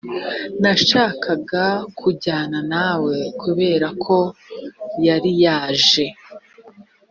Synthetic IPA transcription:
naʃaːkʰaɡakʰuɟaːnanawe̞kuβe̞ːɾakʰo̞ | jaɾijaːʒe̞

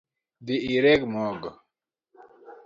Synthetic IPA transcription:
d̪iiɾeɡmoːɡ

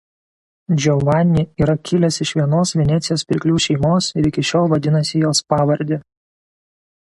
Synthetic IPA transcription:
d͡ʒʲɔʋɑːnʲːiiːɾɐkʲʰɪlʲɛsɪʃʋʲiɛnoːsʋʲɛnʲæːt̪sʲɪjoːspʲɪɾʲklʲuːʃʲɛɪmoːsɪɾɪkʲɪʃʲoːlˠʋɐd̪ʲɪnɐsʲɪjoːspɑːʋɐɾʲd̪ʲɪ

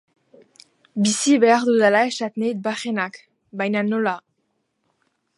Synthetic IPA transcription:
bisibɛʁd̪ud̪alaeʃat̪ned̪̚baχenak | bajnanola

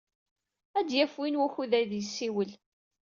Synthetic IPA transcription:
æd̪jæfwinwæçuðæðjsːiwəl

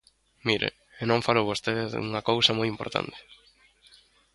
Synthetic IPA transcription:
miɾḛ | nõŋfalowβost̪eððṵŋɐkowsɐmɔjimpoɾt̪a̰nt̪e̥

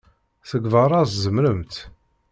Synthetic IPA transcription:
θəɡvəɾˤɑszəmɾəmt̪

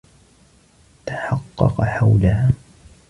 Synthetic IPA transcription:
t̪ḁħɑqːɑ̰qɑħawlahaː

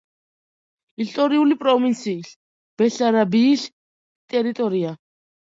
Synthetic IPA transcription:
ist̪ʼɔɾiulipʼɾɔvinsiːɬ | b̥ɛɬaɾabiːɬ | t̪ʼɛɾit̪ʼɔɾia

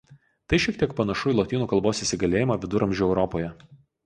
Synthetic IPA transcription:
t̪ɐɪʃʲiɛk̚t̪ʲiɛk̚pɐnɐʃʊjlˠoːt̪ʲiːnuːkɐlˠboːsɪsʲɪɡɐlʲeːjɪmɐʋʲɪd̪ʊɾʔɐmʲʒʲʊɛʊɾɔpoːjɛ

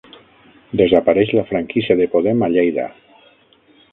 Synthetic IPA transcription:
d̪ezapaɾeʃlafɾaŋkisiaðepoðɛmaʎejða̰

